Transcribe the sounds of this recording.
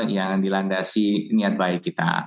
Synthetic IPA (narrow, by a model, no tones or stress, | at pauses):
jaŋdilandasiniat̪̚baɪkːit̪a̰